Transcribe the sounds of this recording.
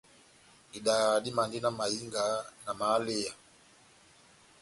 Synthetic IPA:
i˨ɗaɗi˦ma˨ndi˦na˨ma˨i˦ŋɡa˨na˨ma˨˦li˦a˨

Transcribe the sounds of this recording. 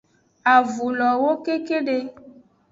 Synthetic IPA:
a˨vu˨lɔ˨wo˦ke˦ke˦ɖe˦

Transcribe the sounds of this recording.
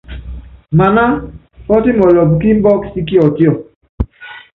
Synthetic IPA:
ma˨na˦ | pɔ˦tɪ˦mɔ˨lɔ˨bki˦m̩˦bɔ˦ksi˦ki˦ɔ˨tjɔ˨

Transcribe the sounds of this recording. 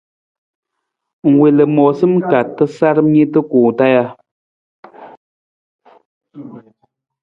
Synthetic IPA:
ŋ̩˨we˨lɨ˨mɔ˨sɨ˦mka˨tːɨ˦sa˦ɾm˦ɲi˦tɨ˦kuː˨ta˦ja˧

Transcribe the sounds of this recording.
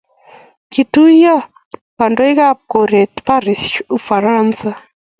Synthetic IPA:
ki˨tu˦ja˦ | ka˨ndo˦i˦ɣa˦p̚ko˨ɾe˨tpa˦ɾi˨su˨fa˨ɾa˦nsa˦

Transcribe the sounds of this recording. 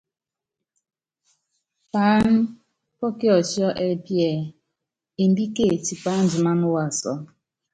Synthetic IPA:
pa˨˦n̩˦ | pɔ˦ki˦ɔ˨t͡ʃi˦ɔ˦ʔe˦pjɛ˨ | e˨n̩˦bi˦ke˦˨ti˨pa˨˦n̩˦d͡ʒi˨ma˦nʊ˦wa˨sɔ̰˨

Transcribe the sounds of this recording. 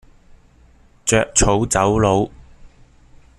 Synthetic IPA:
t͡ʃœː˧k̚t͡ʃʰo˨˧˥wt͡sɐ˨˥wlo˨˧w

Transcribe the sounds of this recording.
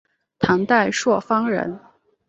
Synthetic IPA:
t̪ʰɑ˧˥ŋt̪a˥˧ɪʂwɔ˥˩fɑ˥ŋɻə̰˧˥n

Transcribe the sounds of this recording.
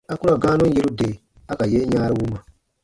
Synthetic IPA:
a˦ku˦ɾa˨ɡaː˦nũ˦je˦ɾu˦de˨ | a˦ka˨jeː˦ɲaː˦ɾi˦wu˦ma˨

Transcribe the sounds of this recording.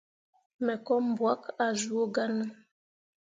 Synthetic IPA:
mɛ˨kɔ˦m˨bwa˦ka˨zu˨˦o˦ɡa˦nə˦

